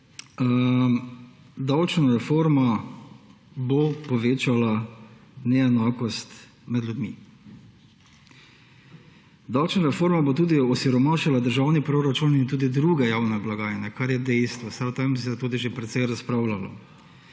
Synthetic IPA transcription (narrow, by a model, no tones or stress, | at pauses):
d̪awt͡ʃnaɾɛfoːɾma | bopɔʋeːt͡ʃala | nɛɛnaːkɔst̪ | mɛd̪lʲjud̪mi | d̪awt͡ʃnaɾɛfoːɾmabot̪uːd̪iɔsiɾɔmaːʃalad̪əɾʒawnipɾoɾat͡ʃuːnint̪uːd̪id̪ɾuːɡɛjaːwnɛblaɡaːjnɛkaɾjɛd̪ɛjst̪ʋɔst̪aɾt̪amsɛt̪uːd̪iʒepɾɛt̪sɛjɾaspɾawlalɔ̰